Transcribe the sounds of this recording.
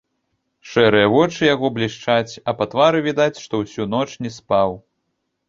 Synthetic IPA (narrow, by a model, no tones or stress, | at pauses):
ʂɛɾɨjɐvɔt͡ʂɨjaɣɔblʲiʂt͡ʂat͡sʲɐpat̪vaɾɨvʲid̪at͡sʲʂt̪ɔwsʲun̪ɔt͡ʂnʲɛspaw